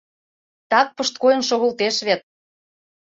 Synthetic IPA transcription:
t̪ɑk̚pə̆ʃt̪̚kojɤ̆nʃoɣə̆lt̪eʃβet̪̚

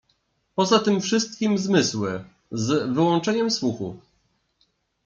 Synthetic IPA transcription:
pɔzat̪ɘmfʂɘst̪̚kʲimzmɘswɘ | zvɘwɔ̃nt͡ʂɛɲɛmswuxṵf

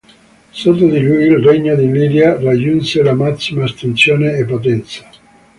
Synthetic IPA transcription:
sot̪ːod̪ilujilreɲːod̪ilid̪jarad͡ʒːunselamasːimaːst̪ent̪sjoːneːpːot̪ɛnt̪sḁ

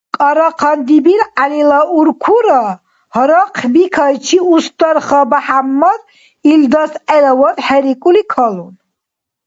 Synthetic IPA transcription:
kʼaɾaqʰand̪ibiɾalilauɾkʰuɾa | hɾaqʰbikʰajt͡ʃʰiust̪aɾχabaħamːad̪ | ild̪asɛlawad̪ħɛɾikʼulikʰalun

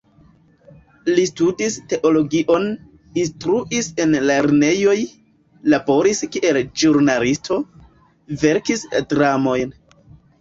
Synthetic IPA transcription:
listudiste̞ʔo̞lo̞ɡiʔo̞n | instɾuʔise̞nle̞ɾne̞jo̞j | labo̞ɾiskiʔe̞ld͡ʒuɾnalistʰo̞ | ve̞ɾkisdɾamo̞jn

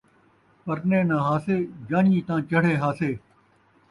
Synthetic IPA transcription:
pəɾnẽːnãːɦaːseːd͡ʒãːniːt̪ãːt͡ʃəɽ̤eːɦaːseː

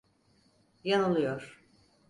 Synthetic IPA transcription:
janulˠɯjoɾ̥

